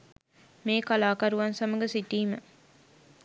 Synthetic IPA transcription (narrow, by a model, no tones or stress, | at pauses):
meːkalaːkɐɾuʋɐnsɐmɐɡɐsiʈiːmə